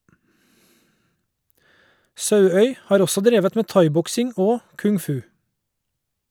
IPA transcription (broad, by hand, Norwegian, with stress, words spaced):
ˈsɑʉœʏ ˈhɑːɾ ˈɔsɔ ˈdɾeːʋət ˈmeː ˈtɑɪˌbɔksɪŋ ˈoː kʉŋˈfʉː